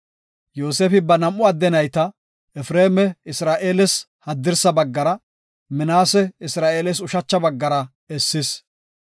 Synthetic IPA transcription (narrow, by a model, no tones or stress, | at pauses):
joːseːfɪbɐnɐmʔʊɐd̪ːɛnɐjt̪ɐ | ɛfɾeːmɛɪsɾaːʔeːlɛs | hɐd̪ːɪɾsɐbɐɡːɐɾɐ | mɪnaːsɛɪsɾaːʔeːlɛs̬ʊʃɐt͡ʃːɐbɐɡːɐɾɐ | ɛsːɪs